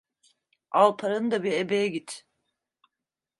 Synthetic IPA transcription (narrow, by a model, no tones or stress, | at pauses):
alˠpʰaɾɯnd̪abiɾebejɛɟit̪ʰ